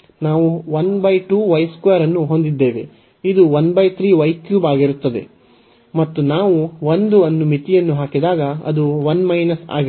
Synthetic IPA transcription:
naːʋuʋɐnbɐjʈuːʋɐjskujɐɾɐnːuɦo̞nd̪id̪ːe̞ːʋḛ | id̪uʋɐnbɐjt̪ʰɾiːʋɐjkjuːbaːɡiɾut̪ːɐd̪e̞̰ | mɐt̪ːunaːʋuʋond̪uɐnːumit̪ijɐnːuɦaːkid̪aːɡɐɐ̰d̪uʋɐnmɐjnɐsa̰ːɡi

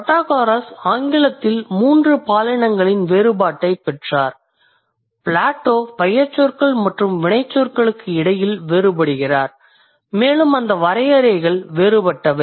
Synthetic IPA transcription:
pɐʈːaːɣaːɾɐsaːŋɡɪɭɐt̪ːɪlmuːndrɯpaːlɐnɐŋɡɐɭɪnʋeːɾɯbaːʈːɐɪpɛʈraːɾ | pɭaːʈːoːpɐjɐɾt͡ʃːoːɾkɐɭmɐʈrɯmʋɪɳɐɪt͡ʃːoːɾkɐɭɯkːɯɪɽɐjɪlʋeːɾɯbɐɽɯɣɪraːɾ | meːlɯmɐnd̪ɐʋɐɾɐɪjɐɾɐɪɣɐɭʋeːɾɯbɐʈːɐʋɐɪ

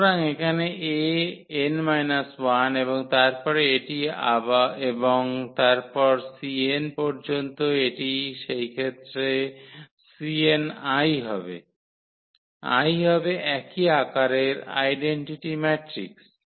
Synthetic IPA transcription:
ɾaŋekʰaneʔeenmajnaswaneβoŋt̪aɾpɔɾeeʈia̰baeboŋt̪aɾpɔɾsienpɔɾd͡ʑont̪oeʈiʃejkʰet̪ːɾe | sienajɦɔbḛ | a̰jɦɔbeʔɛkiakaɾeɾa̰jɖeɳʈiʈimɛʈɾḭks

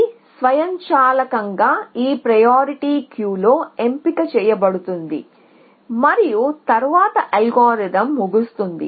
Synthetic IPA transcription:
sʋɐjɐɲt͡ʃaːlɐkɐŋɡaːiːpɾɐjaːɾiʈiːkjuːlo̞ːe̞mpikɐt͡ʃɛːjɐbɐɽut̪und̪ḭ | mɐɾijut̪ɐɾʋaːt̪ɐʔɐlɡaːɾiɖɐmːuɡust̪und̪ḭ

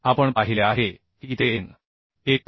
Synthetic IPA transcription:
apəɳpaɦileaɦe | kit̪een | ek̚

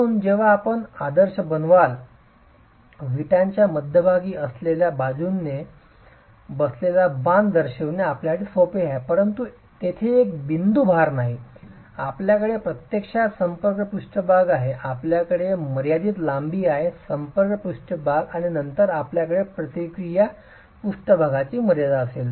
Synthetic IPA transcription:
uːnd͡ʑeʋ̤aːpəɳad̪əɾɕəbənʋal | ʋiʈjaɲt͡ɕjaməd̪ʱjəbʱaɡiːəsleljabad͡zuːnːe | bəslelabãnd̪əɾɕeʋneapljakəɽesopeɦapəɾənt̪u | t̪et̪ʰeːk̚bind̪ubʱaɾnaɦi | apljakəɽepɾət̪jekʂasəmpəɾkɳəpuʂʈəbʱaɡaɦeʔapljakəɽeməɾjad̪iːt̪lambiːaɦesəmpəɾkəpuʂʈəbʱaɡaɽ̃inənt̪əɾapljakəɽepɾət̪ikɾija | puʂʈəbʱaɡat͡ɕiːməɾjad̪aəsel

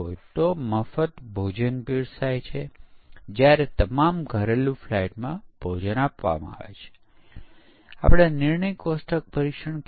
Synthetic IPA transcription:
ojt̪oməfət̪bʱod͡ʒənpiɾsajt͡ʃʰed͡ʒjaɾet̪əmamɡʱəɾelũflaiʈmãb̥ʱod͡ʒənapʋa̰mã̰a̰ʋḛt͡ʃʰe̥ | a̰pɽ̃anɪɾɳəjkosʈʰək̚pəɾikʃəɳk

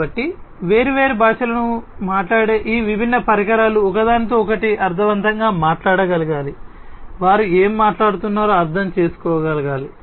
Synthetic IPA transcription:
ɐʈːiʋe̞ːɾiʋe̞ːɾebʱaːʂɐlɐnumaːʈlaːɽe̞ːʔiːʋibʱinːɐpɐɾikɐɾaːluɔkɐd̪aːnit̪̬oːɔkɐʈiʔɐɾd̪ʱɐʋɐnt̪ɐŋɡaːmaːʈlaːɽɐɡɐlɐɡaːliʋaːɾue̞ːmːaːʈlaːɽut̪unːaːɾoːɐɾd̪ʱʰɐmt͡ʃe̞ːsu̥kɔːɡɐlɐɡaːli

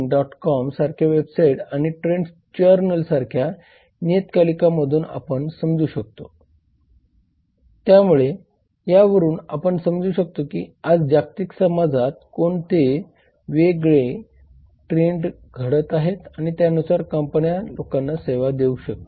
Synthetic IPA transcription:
ɖɔʈkɔmsaɾkʰjaʋebsaiʈaɽ̃iʈɾeɳɖ | t͡ɕəɾnəlsaɾkʰja | njet̪kalikaməd̪ʱuːna̰pəɳsəmd͡zuːɕək̚t̪o | t̪jamuɭe | jaʋəɾuːna̰pəɳsəmd͡zuːɕək̚t̪okḭːad͡zd͡ʑak̚t̪iksəmad͡zʱat̪̚koɳt̪ʰe | ʋeɡɭe | ʈɾeɳɖ | ɡʱəɽət̪aɦet̪aɽ̃it̪jaənusaɾkəmpənjalokanːaseʋad̪euɕək̚t̪o

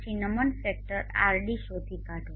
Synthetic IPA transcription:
sinəmənfek̚ʈəɾa̰ɾɖiʃot̪ʰikaʈʰo

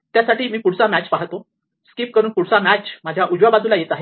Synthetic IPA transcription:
t̪jasaʈʰiːmiːpuɽ̤t͡samæt͡ɕpaɦt̪o | skip̚kəɾuːnpuɽsamæt͡ɕmad͡ʑʱjaʔud͡ʑʋabad͡z̪uːlajet̪aɦe

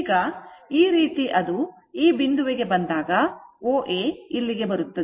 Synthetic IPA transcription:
ɡɐiːɾiːt̪iʔɐd̪u | iːbind̪uʋeɡe̞bɐnd̪aːɡɐoːʔeːilːiɡe̞bɐɾut̪ːɐd̪e

